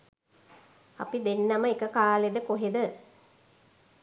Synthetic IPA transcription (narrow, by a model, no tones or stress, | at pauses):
a̰pid̪enːɐməekəkaːled̪əkoɦed̪ə